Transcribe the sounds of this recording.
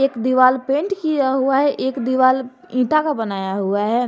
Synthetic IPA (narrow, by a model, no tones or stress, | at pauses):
eːkd̪iʋaːlpẽːɳʈkijaɦuaɦɛʔeːkd̪iʋaːl | ĩːʈakabənaːjaɦʊaɦɛː